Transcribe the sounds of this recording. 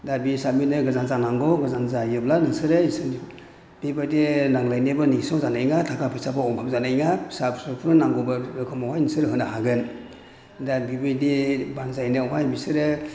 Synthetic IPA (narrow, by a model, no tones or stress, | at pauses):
dabisap̚minɯɡazanzanaŋɡɔɡɯzanzajɯblanɯsɯɾeisɯn | b̥ibajdenaŋlajnebɯnisɔŋzanajŋatʰakʰapʰisapʰaɔŋpʰamzanajŋasapsɯpʰuɯnaŋɡɔbɯɾɯkʰɯmɔwajnisɯɾɦɯnaɦaɡɯn | dabibajdibanzajnɯɔɦajbisɯɾɯ